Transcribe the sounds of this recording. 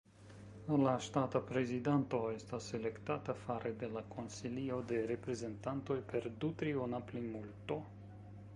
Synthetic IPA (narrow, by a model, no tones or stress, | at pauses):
laʃt̪at̪apɾezid̪ant̪oest̪aselekt̪at̪afaɾed̪elakʰonsiliod̪eɾepɾezent̪ant̪ojperd̪ut̪ɾionaplimult̪o